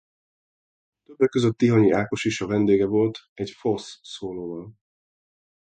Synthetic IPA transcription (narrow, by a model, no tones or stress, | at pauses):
t̪øbːɛkːø̞zøt̪ːiɦɒɲiaːko̞ʃiʃɒvɛnd̪eːɡɛvo̞lt̪ɛɟfo̞sːoːloːvɒl